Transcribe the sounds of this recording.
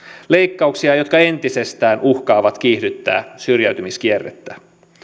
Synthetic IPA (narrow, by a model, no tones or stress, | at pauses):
le̞jkːɑuksiɑjo̞t̪kɑe̞nt̪ise̞st̪æːnʔuhkɑːʋɑt̪k̟iːhdyt̪ːæ̰ːsyrjæyt̪ymisk̟ierːḛt̪ːæ